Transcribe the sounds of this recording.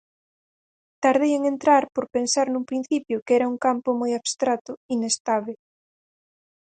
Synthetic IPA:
t̪aɾðejeŋent̪ɾaɾpoɾpensaɾnuŋpɾin̟θipjʊkɛɾauŋkampʊmojaβst̪ɾat̪ʊinest̪aβe

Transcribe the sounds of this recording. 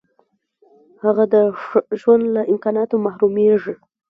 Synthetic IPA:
haɣad̪əʒwand̪laʔɪmkɑnɑt̪omahɾumeʐi

